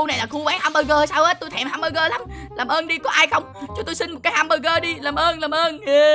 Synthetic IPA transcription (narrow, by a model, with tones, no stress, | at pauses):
u˧na˨˩jlaː˨˩xu˧ɓaː˨˦nhaː˧mɓəː˧ɣəː˧saː˧wʔəː˦˥t̪u˧jt̪ʰɛ˨˩mɦaː˧mɓəː˧ɣəː˧la˨˦mlaː˨˩mʔəː˧nɗi˧kɔ˨˦ʔaː˧jxə˧wŋ͡mt͡ɕu˨˦t̪o˧jsï˧nm˨˩t̚kːaː˨˦jhaː˧mɓəː˧ɣəː˧ɗi˧laː˨˩mʔəː˧nlaː˨˩mʔəː˧n˨